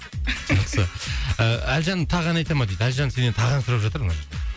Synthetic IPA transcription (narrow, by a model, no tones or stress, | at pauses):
ʒɑqsəəælʒɑnət̪ʰɑʁɑnɑjt̪ɑmɑd̪ejd̪ælʒɑnse̞net̪ʰɑʁɑnsʊɾɑpʒɑt̪əɾnɑʒəɾd̪e